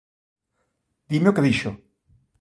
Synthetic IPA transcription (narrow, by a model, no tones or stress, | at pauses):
d̪imeokeðiʃo